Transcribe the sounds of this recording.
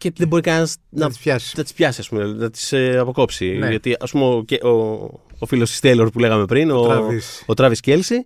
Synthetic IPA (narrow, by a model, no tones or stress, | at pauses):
cet̪ðebo̞ɾikɐnsnɐtɐ̥nɐt̪i̥spçɐsiɐspumenɐt̪i̥sɐpo̞ko̞psiot̪iɐspumeoceʔoofilosi̥st̪eloɾpule̞ɣɐme̞pɾinovisot̪ɾɐviscelsi